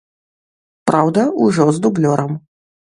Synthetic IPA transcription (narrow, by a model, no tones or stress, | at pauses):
pɾʔawd̪ɐuʐɔzd̪ublʲɔɾɐm